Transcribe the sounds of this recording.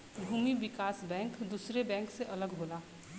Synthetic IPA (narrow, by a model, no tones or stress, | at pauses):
bʱuːmiʋɪkaːsbɛ̃ːŋkd̪uːsɾebɛ̃ːŋkseʔɐləɡɦoːlaː